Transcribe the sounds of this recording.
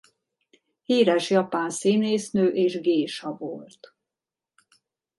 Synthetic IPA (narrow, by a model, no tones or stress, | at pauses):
hiːɾɛʃjɒpaːnsiːneːsnøːʔeːʒɡeːʃɒvolt̪